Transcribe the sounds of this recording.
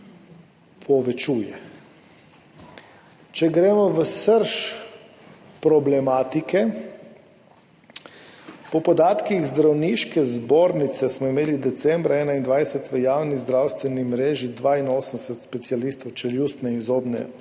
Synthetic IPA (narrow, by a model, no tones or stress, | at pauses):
pʰɔʋɛt͡ʃuːjɛ | t͡ʃɛɡɾeːmɔʋəsəɾʃ | pɾɔblɛmaːt̪ikɛ | pɔpɔd̪aːt̪kiɣzd̪ɾawniʃkɛzboːɾnit̪sɛsmɔimeːlid̪ɛt̪sɛmbɾaɛːnaind̪ʋajsɛt̪ʋəjaːwnizd̪ɾawst̪ʋɛnimɾeːʒid̪ʋaːinoːsənsɛt̪spɛt̪sialist̪ɔwt͡ʃɛljust̪nɛinzoːbnɛ̰